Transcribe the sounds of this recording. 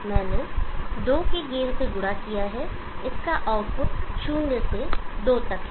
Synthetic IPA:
mɛ̃ːned̪oːkeɡeːɾseɡʊɽakijaɦɛ | ɪskaʔɔːpt͡ʃʰuːnnesed̪oːt̪ɐkʰ

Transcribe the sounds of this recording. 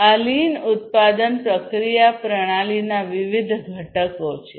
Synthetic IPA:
alinʊt̪̚pad̪ənpɾəkɾijapɾəɽ̃alinaʋɪʋid̪ʱɡʱəʈəkot͡ʃʰe

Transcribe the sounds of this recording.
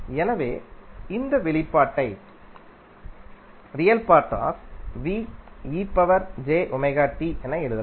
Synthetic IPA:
ɛnɐʋeːɪnd̪ɐʋɛɭɪpːaːʈːɐɪ | ɾɪjɐlpaːɾt̪a̰ːsʋiːiːpːɐʋɐɾd͡ʒeːʔʊmɐɪɣaːʈːiʔɛnɐɛɻɯðɐ

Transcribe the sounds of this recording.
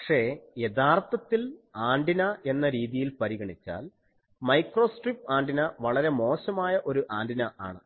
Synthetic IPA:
ɐkʂe̞je̞ðaːrt̪ɐt̪ːilaːɳɖinɐe̞nːɐɾiːðijilpɐɾiɣɐɳit͡ɕːa̰ːl | mɐjkro̞ːsʈrip̚ːaːɳɖinɐʋɐɭɐɾe̞mo̞ːɕɐmaːjɐʔo̞ɾuʔaːɳɖinɐʔaːɳɨ

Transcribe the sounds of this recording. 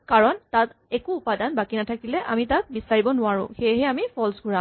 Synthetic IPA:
kaɹɔntat | ɛkuːpadanbakinatʰakilɛʔamitat̚bisaɹibɔnʊaɹʊ̰̃xejɦɛamipʰɔlsɡʱuɹã

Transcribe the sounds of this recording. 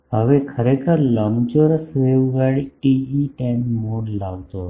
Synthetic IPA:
ɦəʋekʰəɾekʰəɾləmt͡ʃoɾsʋeʋɡaɽiʈiːʈenmoɽlaɡt̪o

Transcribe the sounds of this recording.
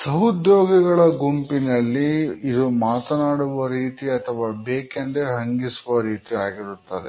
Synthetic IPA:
sɐɦud̪joːɡɐɡɐɭɐɡumpinɐlːiːd̪umaːt̪ɐnaːɽuʋɐɾiːt̪iɐt̪ʰɐʋaːbeːkɐnd̪eɦɐŋɡisuʋɐɾiːt̪iaːɡiɾut̪ːɐd̪ḛ

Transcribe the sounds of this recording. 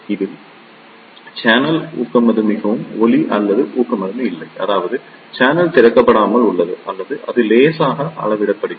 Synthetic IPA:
ɪðɯ | t͡ʃaːnɐlṵːkːɐmɐðɯmɪɣɐʋɯmɔliʔɐ̰lːɐðɯʔuːkːɐmɐðɯmɪɪlːɐɪʔɐ̰ðaːʋɐðɯ | t͡ʃaːnɐlt̪ɪɾɐkːɐpːɐɽaːmɐlʊɭːɐðɯʔɐlːɐðɯʔɐ̰ðɯleːsaːɣɐɐ̰ɭɐʋɪɽɐpːɐɽɯ

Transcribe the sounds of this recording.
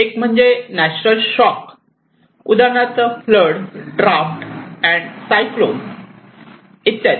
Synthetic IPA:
ekm̤əɳd͡ʑenæt͡ɕnəlɕɔk | ud̪aɳat͡s̪əfləɽɖɾafʈɛ̃ɳɖsajklon | it̪ːat

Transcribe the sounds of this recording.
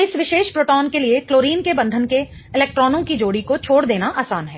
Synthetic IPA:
ɪsʋɪʃeːʃpɾoːʈɔːnkeliekloːɾiːnkebɐ̃nd̪ʱənke | ɪlɛːk̚ʈɾɔːnõkid͡ʒoːɽikot͡ʃʰoːɽd̪eːnaʔaːsaːnɦɛː

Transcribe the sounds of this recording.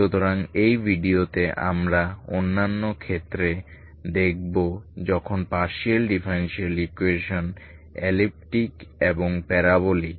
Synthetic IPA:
ʃut̪oɾaŋejbʱiɖiot̪eʔa̰mɾaonːanːokʰet̪ːɾe | d̪ek̚ʰbod͡ʑɔkʰonpaɾʃelɖifʰaɾenʃelikueʃon | ḛlip̚ʈikeboŋpɛɾaβoli

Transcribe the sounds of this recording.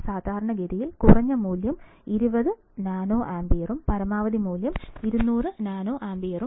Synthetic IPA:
saːd̪ʱaːɾɐɳɐɡeðijilkurɐɲːɐmuːljɐmiɾubɐðɨ | naːnoːʔaːmbijɐrumpɐɾɐmaːʋɐðimuːljɐmiɾunːuːrɨnaːnoːʔaːmbijɐru

